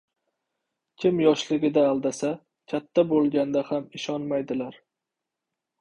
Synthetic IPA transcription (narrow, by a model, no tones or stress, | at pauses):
kʲʰɪmjɒʃlɪɡʲɪd̪aːlˠd̪asa | kʲʰat̪ʰːabolˠɡʲand̪ahamɪʃɒnmajd̪ɪlaɾ